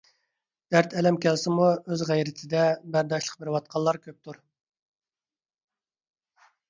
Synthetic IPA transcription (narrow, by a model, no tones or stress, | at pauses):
d̪̥æɾt̪ʰɛlɛmkʲɛlsɪmuøzʁæjɾɪt̪ʰɪd̪ɛbæɾd̪ɑʃlˠəq̚bɪɾɪwɑt̪̚qʰɑlˠːɑɾkʲʰøp̚t̪ʰuɾ